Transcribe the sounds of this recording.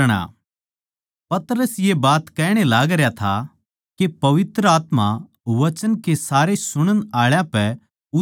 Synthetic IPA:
ɽ̃a̰ | pɐt̪əɾəsjebaːt̪kɛːɽ̃elaːɡɾjat̪ʰa | kepɐʋɪt̪ɾəaːt̪ma | ʋɐt͡ʃənkesaːɾesʊɽ̃ənaːɭjãpɛ | ʊ

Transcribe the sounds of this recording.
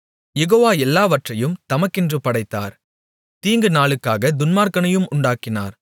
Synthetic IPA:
jɛɣoːʋaːɛlːaːʋɐʈrɐjɯmt̪ɐmɐkːɪndrɯpɐɽɐɪt̪ːa̰ːɾ | t̪iːŋɡɯnaːɭɯkːaːɣɐd̪ʊnmaːɾkɐɳɐjɯmʊɳɖaːkːɪnaːɾ

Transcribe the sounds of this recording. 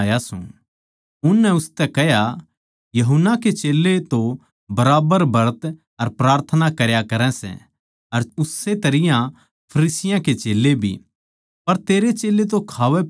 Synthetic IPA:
jasṵ̃ | ʊnːɛʊst̪ɛkɛɦja | jɐɦʊnaket͡ʃeːlːet̪o | bɐɾaːbəɾbʱɐɾt̪ | ɐɾpɾaːɾt̪ʰənakɐɾjakɐɾɛ̃sɛ̰̃ | ɐɾʊsːet̪ɐɾɪjã | pʰɐɾiːsɪjãket͡ʃeːlːebʱḭ | pɐɾt̪eːɾet͡ʃeːlet̪̬okʰaːʋɛ

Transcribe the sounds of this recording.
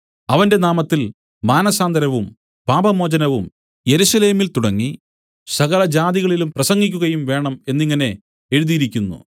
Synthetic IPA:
ɐʋɐnde̞naːmɐt̪ːil | maːnɐsaːnd̪ɐɾɐʋum | paːbɐmo̞ːd͡ʑɐnɐʋum | je̞ɾusɐle̞ːmilt̪uɽɐŋːi | sɐɣɐɭɐd͡ʑaːd̪iɣɐɭilumprɐsɐŋːikʲːuɣɐjumʋe̞ːɳɐme̞nːiŋːɐne̞ | e̞ɻuðijiɾikʲːunːṵ

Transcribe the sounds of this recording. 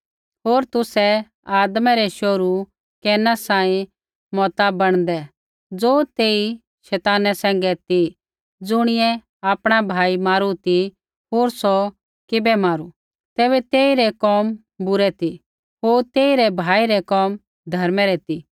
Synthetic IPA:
ɦoːɾt̪ʊsɛ | aːd̪mɛɾɛʃoɾu | kɛːnasãːĩ | mɔt̪abɐɽ̃d̪ɛ | d͡zoːt̪eːi | ʃɛːt̪aːnɛsɛ̃ːŋɡɛt̪i | d͡zʊɽ̃ɪjɛ | aːpɽ̃abʱaːimaːɾut̪i | ɦoːɾsɔ | kɪbɛmaːɾu | t̪ɛːbɛt̪eːiɾɛkɔːm | bʊɾɛt̪i | ɦoːɾt̪eːiɾɛbʱaːiɾɛkɔːm | d̪ʱɐɾmɛɾɛt̪i

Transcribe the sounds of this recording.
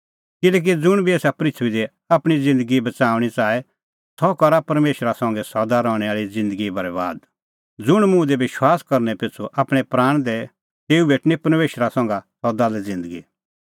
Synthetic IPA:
kɪlɛːk̬id͡zʊɽ̃bʱieːsapɾɪtʰʋid̪ɛ | apɽ̃id͡zɪ̃nd̪əɡibɐt͡saːʊɽ̃it͡saːɛ | sɔkɐɾapɐɾmeːʃɾasɐ̃ːŋɡɛsɔd̪aɾɔ̃ːɽ̃ɛaːɭid͡zɪ̃nd̪əɡibɐɾɛʋa̰ːd̪̚ | d͡zʊɽ̃mʊ̃d̪ɛʋɪʃwaːskɐɾnɛpɪt͡sʰoʔaːpɽ̃ɛpɾaːɽ̃d̪ɛ | t̪eːubʱeːʈnipɐɾmeːʃɾasɐ̃ːŋɡasɔd̪alɛd͡zɪ̃nd̪əɡi

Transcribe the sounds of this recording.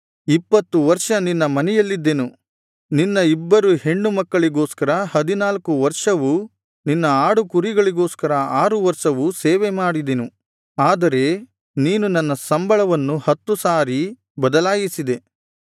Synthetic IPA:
ipːɐt̪ːuʋɐɾʂɐninːɐmɐnɛjɐlːid̪ːenu | ninːɐibːɐɾuɦe̞ɳɖumɐkːɐɭiɡo̞ːskɐɾɐhɐd̪inaːlkuʋɐɾʂɐʋu | ninːɐaːɽukuɾiɡɐɭiɡo̞ːskɐɾɐaːɾuʋɐɾʂɐʋuseːʋemaːɽid̪enu | aːd̪ɐɾe̞ | niːnunɐnːɐsɐmbɐɭɐʋɐnːuhɐt̪ːusaːɾi | bɐd̪ɐlaːjisid̪e̞

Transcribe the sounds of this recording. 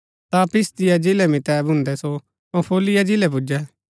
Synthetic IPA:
t̪apɪst̪ɪjad͡ʒɪlɛmɪt̪ɛbʱʊ̃nd̪ɛso | põpʰoːlɪjad͡ʒɪlɛp̬ʊd͡ʒɛ

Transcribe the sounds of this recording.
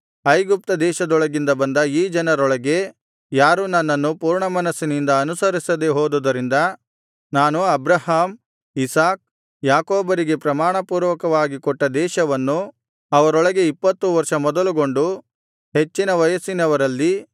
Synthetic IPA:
ɐjɡup̚t̪ɐd̪ɛːʃɐd̪ɔɭɐɡind̪ɐbɐnd̪ɐiːd͡ʒɐnɐɾɔɭɐɡe̞ | jaːɾunɐnːɐnːupuːɾɳɐmɐnɐsinind̪ɐːnusɐɾisɐd̪e̞ɦoːd̪ud̪ɐɾind̪ɐ | naːnuɐbɾɐhaːm | isaːk̚ | jaːkoːbɐɾiɡe̞pɾɐmaːɳɐpuːɾʋɐkɐʋaːɡikɔʈːɐd̪ɛːʃɐʋɐnːu | ɐʋɐɾɔɭɐɡe̞ipːɐt̪ːuʋɐɾʂɐmɔd̪ɐluɡo̞ɳɖu | ɦe̞t͡ʃːinɐʋɐjɐsinɐʋɐɾɐlːi

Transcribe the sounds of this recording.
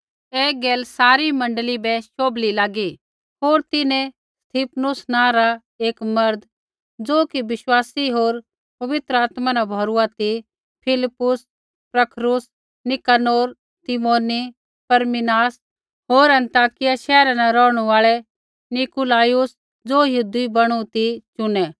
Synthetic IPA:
ɛːɡeːlsaːɾimɐ̃ɳɖəlibɛʃoːblilaːɡi | ɦoːɾt̪ɪnẽ | st̪ʰiːpʰnʊsnãːɾa | eːkmɐɾd̪ | d͡zoːkiʋɪʃwaːsiɦoːɾ | pɐʋɪt̪ɾəaːt̪manabʱɔːɾuat̪i | pʰɪlɪpːʊs | pɾɐkʰɾʊs | nɪkaːnoːɾ | t̪ɪmoːni | pɐɾmɪnaːs | ɦoːɾɐ̃nt̪aːkɪjaʃɛːɾanɛɾɔːɽ̃uaːɭɛ | nɪkulaːjʊs | d͡zoːjʊd̪ibɐɽ̃ũt̪it͡ʃʊnɛ

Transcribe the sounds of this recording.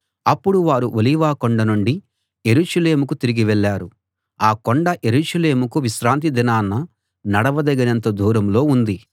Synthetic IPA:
ɐpːuɽuʋaːɾuʔoliːʋaːkoɳɖɐnuɳɖi | je̞ɾuːʃɐle̞ːmukut̪iɾiɡiʋɛɭːaːɾu | aːkɔɳɖɐʔe̞ɾuːʃɐle̞ːmukuʋiʃɾaːnt̪̬id̪inaːnːɐ | nɐɽɐʋɐd̪ɐɡɐnɐnt̪ɐd̪ʱuːɾɐmlo̞ːund̪i

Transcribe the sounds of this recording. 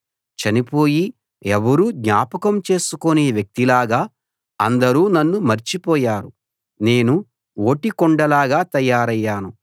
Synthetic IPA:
t͡ʃɐnipo̞ːji | ɛʋɐɾuːd̪ɲaːpɐkɐmt͡ʃe̞ːsukoneːʋjɐk̚t̪ilaːɡaː | ɐ̰nd̪ɐɾuːnɐnːumɐɾt͡ʃipɔːjaːɾu | ne̞ːnu | o̞ːʈikɔɳɖɐlaːɡaːt̪ɐjːaːɾɐjːaːnu

